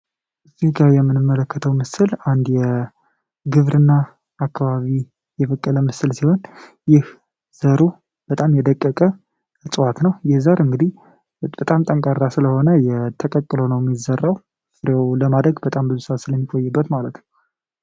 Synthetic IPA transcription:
ʔɨziɡajɛmːɨnɨmːələkːət̪ʰəwmɨsɨland̪jɛ | ɡɨβɾɨnːaː | kʰːaβaβi | jɛfəkʼːələmɨsɨlsiho̞n | jɪh | z̥əɾu | b̥ət̪ʼamjɛd̪əkʼːəkʼə | t͡sʼɨwat̪nəwjɛhzəɾɨŋɡɨd̪ih | b̥ət̪ʼamt̪ʼəŋkʼaɾːasɨləho̞nəjɛt̪ʰəkʼəkʼːɨlonəwjmːizərːaw | sɨɾewləmad̪ɾəɡbət̪ʼambɨzuswasɨləmːikʼo̞jːɨbːət̪malət̪nəw

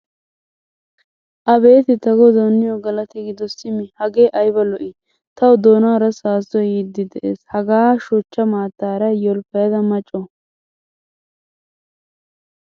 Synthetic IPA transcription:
ʔɐbe̞ːt̪ɪt̪ɐɡɔd̪oːnːɪjɔɡɐlɐt̪ɪɡɪd̪ɔsɪmɪhɐɡeːʔɐjbɐlɔʔɪ | t̪ɐwʊd̪oːnaɾɐsaːsɔjjɪd̪ːɪd̪ɛʔḛːshɐɡaːʃʊt͡ʃːɐmaːt̪ːaːɾɐjɔlfɐjɐd̪ɐmɐt͡ʃʼːɔ

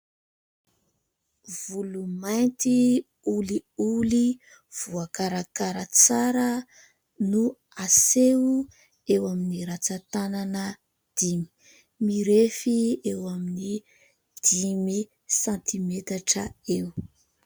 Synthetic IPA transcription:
v̥ulumajnt̪i | uliuli | v̥uakaɾakaɾət͡saɾə | nu | aseu | ewaminiɾat͡sat̪ananə | d̪̥imi̥ | miɾefiewamini | d̪̥imi | sãnt̪imet̪aʈ͡ʂəew

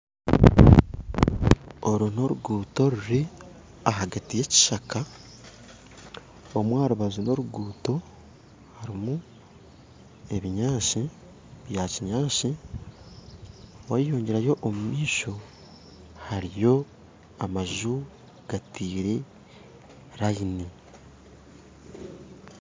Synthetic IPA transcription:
o̞ɾuno̞ɾuɡuːto̞ɾuɾi | aɦaɡatije̞ci̥ʃaka | omwaːɾuβazuno̞ɾuɡuːto̞ | haɾimu | e̞βiɲaːʃi | βjaciɲaːʃi | waijoːɲɟe̞ɾajo̞ʔːmumiːʃo̞ | haɾijo̞ | amaʒu | ɡ̥atiːɾe | ɾaine

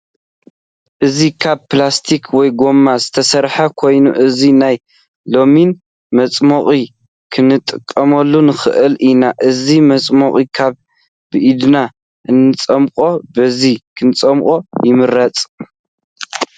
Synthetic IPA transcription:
ʔɨzikʰaβplast̪ʰikʰwɔjɡo̞mːazɨt̪ʰɐsɐɾħɐkʰo̞jnuʔɨzinaj | lo̞min | mɐt͡sʼmoχʼi | kʰɨnɨt̪ʼːɨkʼːɐmɐlːunɨxɨ̰ʔɨlʔinaʔɨzimɐt͡sʼmoχʼikʰaβ | bɨʔid̪na | ʔɨnːɨt͡sʼɐmkʼo̞bɐzikʰɨnt͡sʼɐmkʼo̞jɪmɨɾːɐt͡sʼ

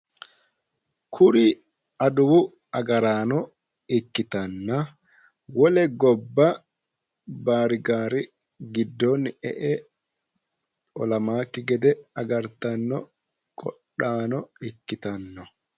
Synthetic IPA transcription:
kʰʊɾɪ | ɐd̪ʊwʊ | ɐɡɐɾaːnɔ | ɪkːɪt̪ɐnːɐ | wɔlɛɡɔbːɐ | baːɾɪɡaːɾɪ | ɡɪd̪ːɔnɛ̰ʔɛ | ɔlɐmaːkːɪɡɛd̪ɛɐɡɐɾt̪ɐnːɔ | kʼɔ̰ɗaːnɔɪkːɪt̪ɐnːɔ

